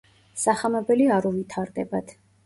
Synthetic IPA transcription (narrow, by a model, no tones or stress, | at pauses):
saχamɛbɛliaɾuvit̪ʰaɾd̪ɛbad̪ʰ